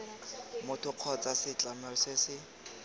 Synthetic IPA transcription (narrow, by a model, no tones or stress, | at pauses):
mʊtʰʊq͡χʰɔt͡sasɪt͡ɬʼamɛsɪsɪ